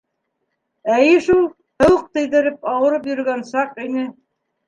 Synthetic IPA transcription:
æjɘʃulˠ | hɤ̆wɤq̚t̪ɘ̆jðɘ̆ɾɘpɑwɤ̆ɾɤp̬jɵ̆ɾɡænsɑqinɘ

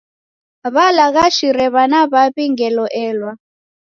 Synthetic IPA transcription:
βalaɣaʃiɾɛβanaβaβiŋɡɛlɔʔɛːlwa

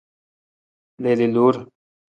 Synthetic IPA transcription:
leːliluːɾ

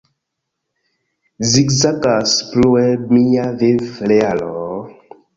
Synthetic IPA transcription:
zikzakasploɛmijavevlɛalɔ

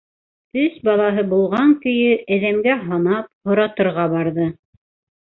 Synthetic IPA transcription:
tɵsbɑlˠɑɦɤbulˠʁɑŋkɵ̆jɵʔæðæmɡæɦɑnɑp̚hŏɾɑt̪ɤ̆ɾʁɑbɑɾðɤ

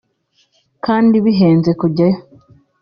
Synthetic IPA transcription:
kʰaːndiβiɦeːnzekuɟajo

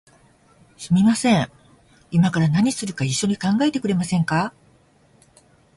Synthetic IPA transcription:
ɕimʲimasẽ̞ŋ | imakaɾanaɲ̟isɨɾɯ̟kaiɕːo̞ɲ̟ikãŋɡae̞t̪e̞kɯ̟ɾe̞masẽ̞ŋka

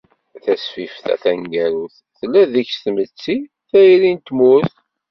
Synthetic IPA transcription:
θæsfifθæ̰θæŋɡæɾuθ | θəlːæðiçsθmət͡sːi | θæjɾint̪muθ

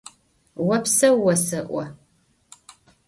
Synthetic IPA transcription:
wɐpsɐːɐsɨʔʷɔ

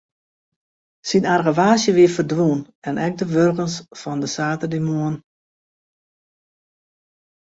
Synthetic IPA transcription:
sinarɣəʋaːsjəʋɪəfərdʋun | ɛnʔɛk̚dəʋørɣənsfɔndəsaːtədimoən

